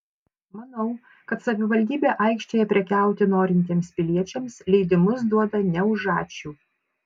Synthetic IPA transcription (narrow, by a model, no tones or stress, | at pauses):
mɐnɐʊ | kɐt̪sɐʋʲɪʋɐlʲd̪ʲiːbʲeːʔɐˑɪkʃʲt͡ʃʲojɛpʲɾʲɛkʲæˑʊt̪ʲɪnoːɾʲɪnʲt̪ʲeːmspʲɪlʲiɛt͡ʃʲɛmslʲɛɪd̪ʲɪmʊsd̪uɔd̪ɐnʲɛʊʒɑːt͡ʃʲuː